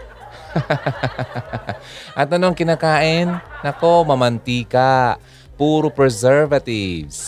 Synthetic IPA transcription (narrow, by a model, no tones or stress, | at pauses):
ʔɐt̪ɐnoʔɐŋkɪnaːkaːʔɪnːɐkomɐmɐnt̪iːka | puːɾopɹɛsɛɹvɐt̪ɪvs